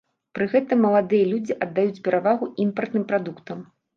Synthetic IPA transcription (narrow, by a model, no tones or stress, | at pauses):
pɾɨɣɛt̪ɐmːɐlˠad̪ɨjɐlʲud͡zʲiʔɐd̪ːajut͡sʲpʲɛɾavaɣuimpɐrt̪nɨmpɾad̪ukt̪ɐm